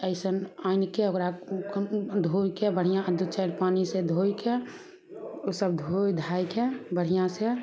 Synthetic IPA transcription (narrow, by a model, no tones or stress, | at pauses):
əɪsənaːɪnkeoɡɾakd̪ʱojkebəɽ̤ijãd̪ut͡ʃaɾpaːnised̪ʱojke | osəb̚d̪ʱojd̪ʱaːjkebəɽ̤ijãse